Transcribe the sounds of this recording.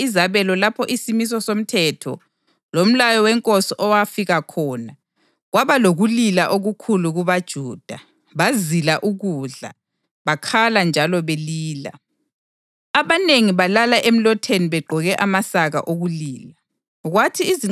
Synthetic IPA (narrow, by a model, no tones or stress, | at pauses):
izaβɛlɔlapʰɔʔisimis̬ɔsom̩tʰɛːtʰɔ̰ | lom̩lajɔwɛŋkʼosiʔɔwafiɣakʰɔːna | ɣwaβaloɣulilaʔoɣukʰuluɣuβad̥ʒ̥ʱuːd̥ʱa | βazilaʔuɣuɮa̰ | βakʰaland͡ʒʱalɔβeliːla̰ | aβaneŋiβalalaʔem̩lɔtʰeniβɛɡ͡ǃʱɔɣɛʔamasaɣa̰ʔoɣuliːla | ɣwatʰiːzi